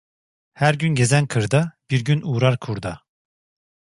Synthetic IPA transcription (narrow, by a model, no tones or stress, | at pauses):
hæɾɟynɟe̞zænkʰɯɾd̪ab̥iɾɟynʔuːɾaɾkʰuɾd̪a